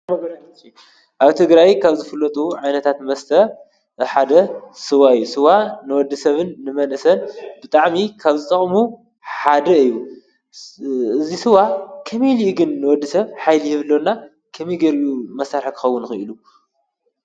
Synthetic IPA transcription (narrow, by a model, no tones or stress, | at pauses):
ʔaβt̪ʰɨɡɾajkʰaβzɨfɨlːɐt̪ʼuʕajnɐt̪ʰat̪mɐst̪ʰɐ | ħad̪ɐsɨwaɨjːusɨwanɨwɔd̪ːɨsɐβɨnːɨmɐnʔɨsɐnbɨt̪ʼaʕmikʰaβzɨt̪ʼɐχʼmu | ħad̪ɐɨjːu | ɨzisɨwakʰɐmiliʔuɡɨnːɨwɔd̪ːisɐβħajlijɨβɨlːonːa | kʰɐmiɡɐɾumɐsaɾħakʰɨ̥xɐwːʊnxɨʔɨlu